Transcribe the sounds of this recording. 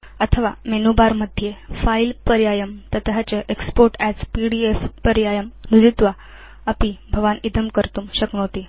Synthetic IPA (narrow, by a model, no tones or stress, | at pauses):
ət̪ʰəʋa̰menobaɾməd̪ʱjefailpəɾjajəmt̪ət̪ɦat͡ɕəʔekspoɾʈæd͡zpiɽiefpəɾjajəmnud͡zit̪ʋa | əpibʱəʋanid̪əmkəɾt̪uːmɕəknot̪i